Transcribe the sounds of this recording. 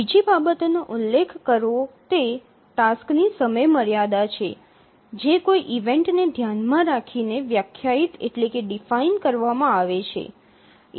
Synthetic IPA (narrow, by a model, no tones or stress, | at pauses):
id͡ʒibabət̪enoʔʊlːekʰkːəɾot̪e | t̪asknisəməjməɾjad̪at͡ʃʰe | d͡ʒekoiʔiʋeɳʈned̪ʱjanmãɾakʰineʋjakʰjait̪ḛʈlekeɖifainkəɾʋamãaʋet͡ʃʰḛ